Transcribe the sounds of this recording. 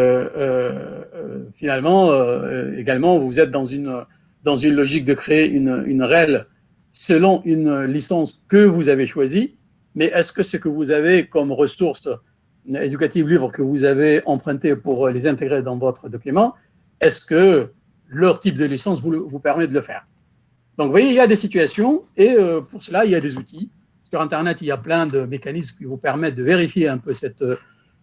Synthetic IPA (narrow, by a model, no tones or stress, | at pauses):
øø | finalmɑ̃ø̰ḛɡalmɑ̃vuzɛt̪̚d̪ɑ̃zyn | d̪ɑ̃zynlɔʒik̚d̪əkχeeʔyny̰nʁɛl | səlɔ̃ʔynlisɑ̃skəvuzaveʃwazi | mɛʔɛskəsəkəvuzavekɔmʁəsuʁs | ed̪ykat̪ivlipaʁkəvuzaveɑ̃pχɛ̃t̪epuʁlezɛ̃t̪eɡʁed̪ɑ̃vɔt̪χəd̪ɔkʲymɑ̃ | ɛskə | lœʁt̪ip̚d̪əlisɑ̃svulvupɛʁmɛd̪ələfɛ̰ːʁ | d̪ɔ̃ŋkvwajeiljad̪esit̪ɥasjɔ̃eøpuʁsəlailjad̪ezut̪i | syʁɛ̃nt̪ɛʁnɛt̪iljaplɛ̃d̪əmekanismkʲivupɛʁmɛt̪̚d̪əveʁifjeɛ̃pøsɛt̪ø